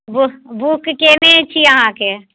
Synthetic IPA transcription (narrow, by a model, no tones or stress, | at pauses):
bubukːenet͡ʃʰijɐɦãke